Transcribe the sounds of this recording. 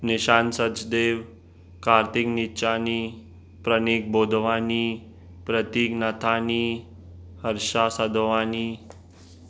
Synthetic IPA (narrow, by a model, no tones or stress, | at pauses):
niɕaːnsət͡sd̪eːʋ | kaɾt̪ikniːɕaniː | pɾəniːk̚boːd̪ʱʋaniː | pɾət̪iːknət̪ʰaːniː | həɾʃasəd̪ʋaːniː